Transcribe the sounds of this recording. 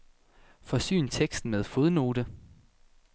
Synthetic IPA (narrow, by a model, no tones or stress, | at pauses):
fɒ̽sy̰ːnt͡sʰeɡ̥sd̥n̩með̞ˠfoðˠno̝ːɾə